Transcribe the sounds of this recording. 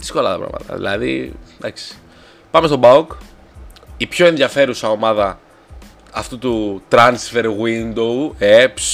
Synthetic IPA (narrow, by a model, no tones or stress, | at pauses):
ðisko̞lɐt̪ɐpɾɐ̰mɐ̰t̪ɐ̰ðḭlɐðḭd̪ɐksi̥ | pɐmest̪o̞bɐuk | ipço̞e̞nðjɐfe̞ɾusɐo̞mɐðɐ | ɐft̪ut̪ut̪ɾɐnsfe̞ɾɣwind̪oeps